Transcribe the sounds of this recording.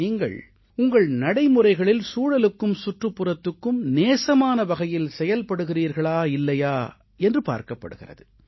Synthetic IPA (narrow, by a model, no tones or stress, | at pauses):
niːŋɡɐ̰ɭ | ʊŋɡɐɭnɐɽɐɪmɯrɐɪɣɐɭɪlsuːɽɐlɯkːɯmsʊʈrɯpːɯrɐt̪ːɯkːɯmneːsɐmaːnɐʋɐɣɐjɪlsɛjɐlpɐɽɯɣɪriːɾɣɐɭaːɪlːɐjaː | ɛndrɯpa̰ːɾkɐpːɐ̰ɽɯɣɪrɐ̰ðɯ